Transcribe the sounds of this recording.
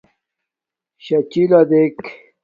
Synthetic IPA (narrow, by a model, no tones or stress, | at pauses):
ɕɐt͡ɕilɐd̪ek